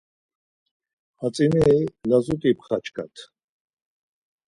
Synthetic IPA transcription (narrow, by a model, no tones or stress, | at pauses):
hat͡sʼinɛjlazut̪ʼipχat͡ʃʰkʼa̰t̪ʰ